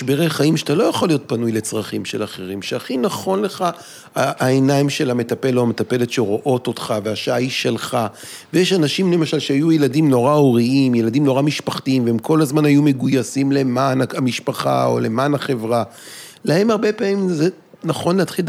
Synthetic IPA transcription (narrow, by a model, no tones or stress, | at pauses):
beʁejχaimʃeatalo̞jaχo̞lːijo̞t̚panujle̞t͡sʁaχimʃe̞laχeʁimʃeaχinaχo̞nle̞χa | aːenaimʃe̞lame̞tape̞loame̞tape̞letʃeʁoʔo̞to̞tχaveaʃajiʃe̞lχa | vejeʃanaʃimle̞maʃalʃeajujeladimno̞ʁaoʁiimjeladimno̞ʁamiʃpaχtiimveemko̞lazmanhajume̞ɡujasimle̞manaamiʃpaχa̰o̰le̞manaχe̞vʁa | lahe̞maʁbe̞paːmimze | naχo̞nleatχil